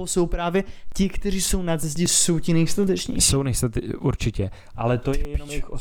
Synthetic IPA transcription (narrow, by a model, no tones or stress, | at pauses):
oso̞wpɾaːvjɛcɪkt̪ɛr̝iːso̞wnad͡zɛzɟɪsowcɪnɛjslat̪ɛt͡ʃɲḭːsownɛslat̪ʔṵɾt͡ʃɪcɛ | ʔalɛt̪oɛjɛɛxo